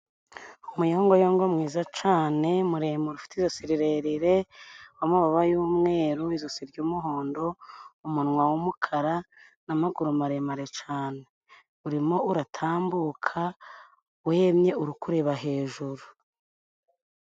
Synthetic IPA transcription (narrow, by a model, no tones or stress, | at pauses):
umujoːŋɡojoːŋɡomŋiːzat͡ʃaːne̞muɾeːmoɾufi̥tizosiɾiɾeɾiɾe̞wamaβaβajuːmŋe̞ːɾuβizosiɾɟumuɦo̞ːndo̞umunŋwawumukʰaɾa | namaɡuɾumaɾe̞maɾe̞t͡ʃaːne | uɾimo̞uɾatʰaːmbukʰa | wemɲe̞uɾukuɾe̞βaɦe̞ːʒuɾu